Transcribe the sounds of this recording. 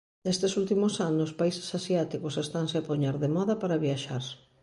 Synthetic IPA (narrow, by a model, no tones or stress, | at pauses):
est̪ɪsult̪imʊsanospaise̥sasjat̪ikosest̪aŋseapoɲɛɾðemɔðɐpaɾaβjaʃaɾ